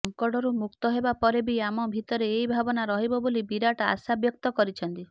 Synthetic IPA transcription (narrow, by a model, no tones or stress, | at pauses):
ɔŋkɔɽɔɾumukt̪ɔɦebapɔɾebiamɔbʱit̪ɔɾeːibʱabɔnaɾɔɦibɔbolibiɾaʈaa̰sabjɔk̚t̪ɔkɔɾit͡ʃʰɔnt̪i